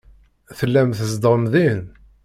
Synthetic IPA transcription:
θəlːæmθəzd̪əɾmðin

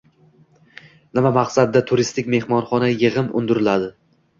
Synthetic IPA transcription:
nɪmamaqsad̪ːat̪ʰʊɾɪst̪ɪkʲme̞hmɒnχɒnajɪʁɨmʊ̰nd̪ɪɾɪlad̪ɪ

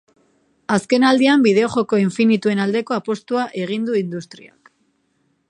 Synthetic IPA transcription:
aske̞nald̪iambið̞e̞o̞xo̞ko̞iɱfinit̪ue̞nald̪e̞ko̞apo̞st̪uaʔe̞ɣ̞ind̪uind̪ust̪ɾia̰k

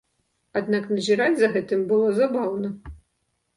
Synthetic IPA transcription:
ad̪naknɐzʲiɾat͡sʲzɐɣɛt̪ɨmʲbɨlˠɔzabawnɐ

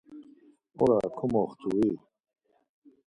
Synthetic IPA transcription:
oɾakʰumoχt̪uwi

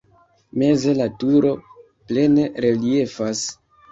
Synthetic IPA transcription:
me̞ze̞latuɾo̞ | ple̞ne̞ɾe̞lie̞fas

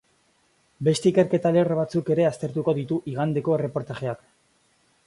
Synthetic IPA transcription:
be̞st̪e̞ike̞ɾke̞t̪ale̞rβ̞at͡suke̞ɾe̞ast̪e̞ɾt̪uko̞ðit̪uʔiɣand̪e̞ko̞e̞re̞po̞ɾt̪aʝe̞ak

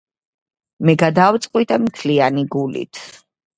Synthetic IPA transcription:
mɛɡad̪avt̪sʼqʼwit̪ʼamt̪ʰlianiɡulḭt̪ʰ

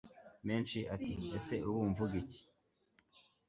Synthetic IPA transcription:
me̞ːnt͡ʃiʔatiese̞ʔuwuːɱvuɡici̥

